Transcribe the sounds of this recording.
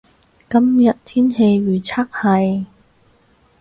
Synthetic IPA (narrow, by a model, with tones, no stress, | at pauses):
kɐ˥mjɐ˨t̚t̪ʰiː˥nhe˧jɥyː˨˩t͡sʰaː˥k̚hɐ˨˩j